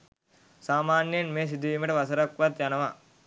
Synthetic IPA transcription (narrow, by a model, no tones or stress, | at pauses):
saːmaːnjɐnmeːs̬id̪ːmiʈɐʋɐsɐɾɐkʋɐt̪jɐnɐʋa